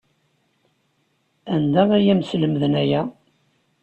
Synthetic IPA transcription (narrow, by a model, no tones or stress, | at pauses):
ænd̪æʁæjæmsləməðənæjæ